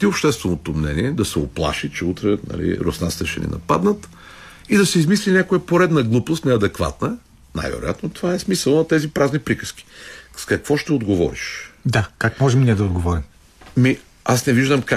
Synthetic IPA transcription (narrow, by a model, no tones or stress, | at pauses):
t̪iopʃt̪ɛst̪vɛnot̪omnɛ̰niɛd̪ɐsɛoplˠa̰ʃit͡ʃɛut̪ɾɛnɐ̰lḭɾo̰snast̪ɛʃɛ̰nḭnɐ̰pa̰d̪nət̪ | id̪ɐsɛizmislinʲjakojəpoɾɛd̪nɐɡlˠupˠost̪nɛɐd̪ɛkva̰t̪nə | na̰jvɛ̰ɾo̰ja̰t̪not̪ovaɛsmisəlˠnɐt̪ɛzipɾaznipɾikə̥sk̟i̥skɐkvɔʃt̪ɛod̪ɡovɔ̰ɾiʃd̪akakmɔʒɛmniɛd̪ɐod̪ɡovɔɾim | mi | asnɛviʒd̪əmka